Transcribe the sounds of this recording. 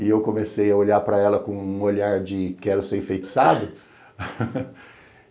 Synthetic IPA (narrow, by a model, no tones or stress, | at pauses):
ɪewkõmesejɐoʎaɾpɾɐɛlɐkõũoʎaɾd͡ʒɪkɛɾʊseɾĩfejt͡ʃi̥sad̪ʊ